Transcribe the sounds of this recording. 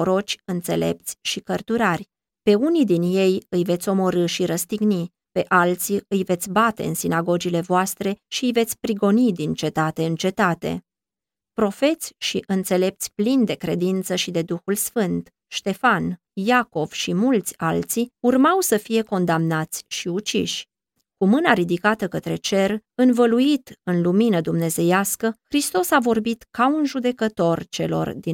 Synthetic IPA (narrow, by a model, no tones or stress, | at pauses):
oɾo̞t͡ʃʲɨnt̪se̞̰le̞̰p̚t̪sʲʃikərt̪uɾarʲ | pe̞unid̪inje̞jɨjve̞t̪sʲo̞mo̞ɾɨʃiɾəst̪iɡni | pe̞ʔalt̪siɨjve̞t̪sʲbat̪e̞̰ɨ̰nsinaɡo̞d͡ʒile̞voast̪ɾe̞ʃiɨjve̞t̪sʲpɾiɡo̞nid̪int͡ʃe̞t̪at̪e̞ɨnt͡ʃe̞t̪at̪e̞̰ | pɾo̞fe̞t̪sʲʃiʔɨnt̪se̞le̞p̚t̪sʲplind̪e̞kɾe̞d̪int̪səʃid̪e̞d̪uxulsfɨnt̪ | ʃt̪e̞fan | jako̞v̥ʃimult̪sʲalt̪siurmawsəfije̞ko̞nd̪amnat̪sʲʃiut͡ʃḭʃʲ | kumɨnaɾid̪ikat̪əkət̪ɾe̞t͡ʃe̞rɨnvəluit̪ɨnluminəd̪umne̞ze̞jaskəxɾist̪o̞savo̞rbit̪kaunʒud̪e̞kət̪o̞rt͡ʃe̞lo̞̰rd̪i